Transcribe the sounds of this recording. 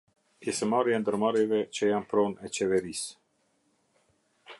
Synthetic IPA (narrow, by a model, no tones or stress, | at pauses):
isəmaɾjɛnd̪əɾmaɾevɛt͡ʃɛjampɾonɛt͡ʃɛvɛɾis